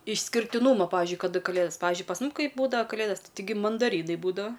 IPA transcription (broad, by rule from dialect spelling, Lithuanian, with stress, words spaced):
ɪʃʲsʲkʲɪrʲtʲɪˈnuːmɐ ˈpɑːʋʲɪzʲd͡ʒʲʊɪ kɐˈdɐ kɐˈlʲeːdoːs ˈpɐiːzʲd͡ʒʲʊɪ pɐs ˈmʊm ˈkɐɪ buːdɐʋɐ kɐˈlʲeːdɐs tɐɪˈɡʲɪ mɐndɐˈrʲiːnɐɪ ˈbuːdɐʋɐ